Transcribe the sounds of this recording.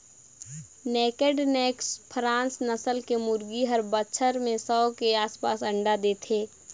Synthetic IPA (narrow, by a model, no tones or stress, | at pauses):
nɛːkeɖneːkspʰɾãːnsnəsəlkemʊɾɡiɦəɾbətːʃʰəɾmẽsəkeaːspaːsə̃ɳɖad̪eːt̪ʰeː